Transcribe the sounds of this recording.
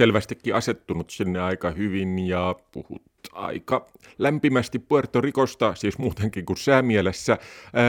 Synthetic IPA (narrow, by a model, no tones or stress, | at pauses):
selʋæst̪ikːiɑset̪ːunut̪sinːeɑikɑhyʋinjɑpṵhṵt̪ɑ̰ikɑ | læmpimæst̪ippuert̪orikost̪ɑsiːsmuːt̪eŋkiŋkusæːmiælesːæ